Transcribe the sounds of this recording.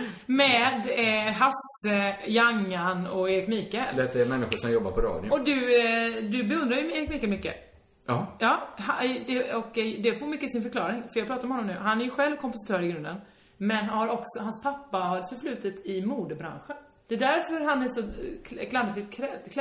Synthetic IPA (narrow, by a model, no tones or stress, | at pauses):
mɛd̪ɦas | əjaŋːanɔeːɾɪkmiːkəɾd̪ɛt̪d̪ɛmɛnːɪɧʊʂɔmjɔbːa̰ɾpɔɾɑ̰ːd̪jʊɔd̪ɵd̪ɵbɛɵnd̪ɾajɵeːɾɪkmikːamʏkːə̰ | jɑːhad̪ɛɔkd̪ɛpomʏkːəsɪnfœɾkʰlɑːɾɪŋfœjɑɡ̚pɾɑːt̪aɾmhɔnːɔmnʉ̟ːɦanæɾjʉɧɛlvkʰɔmpʊsɪ̥t̪ʰœːɾɪɡɾɵnd̪ən | mɛnhaɾɔksɔhanspʰapːahaɾt̪fœɾflʉ̟ːt̪ət̪ʰɪmuːd̪əbɾa̰nɧən | d̪̥ɛd̪æɾfœɾɦanæʂɔklad̪ːɪfɪt̪kʰɾɛkʰ